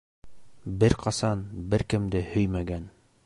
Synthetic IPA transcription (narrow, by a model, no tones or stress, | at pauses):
bɘɾqɑsɑnbɘɾkɘ̆md̪ɘhɵjmæɡæn